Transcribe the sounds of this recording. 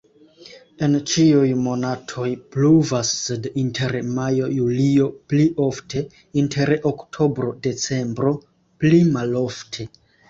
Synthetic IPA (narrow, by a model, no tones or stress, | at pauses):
e̞nt͡ʃiujmo̞natʰo̞jpluvasːedintʰe̞ɾmajo̞julio̞pliʔo̞ftʰe̞ | intʰe̞ɾoktʰo̞bɾo̞de̞t͡se̞mbɾo̞ | plimalo̞ftʰe̞